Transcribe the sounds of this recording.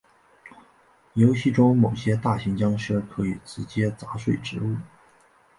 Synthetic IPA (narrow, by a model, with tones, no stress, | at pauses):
jo˧˥ʊɕi˥˩ʈ͡ʂʊ˥ŋmo˨˩ʊɕjɛ˥t̪a˥˩ɕi˧˥ŋt͡ɕjɑ˥ŋʂɤ˥kʰɤ˧˥i˨˩ʈ͡ʂɻ̩˧˥t͡ɕjɛ˥t͡sa˧˥ʂwe˥˩ɪʈ͡ʂɻ̩˧˥u˥˩